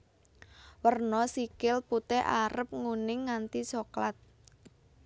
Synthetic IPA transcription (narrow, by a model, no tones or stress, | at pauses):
wərnɔsikɪlput̪ɛʔaɾəp̚ŋunɪŋːant̪isɔklat̪̚